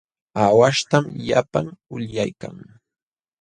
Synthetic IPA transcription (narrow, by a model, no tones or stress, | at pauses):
awaʃt̪amʎapaŋʊʎjajkaŋ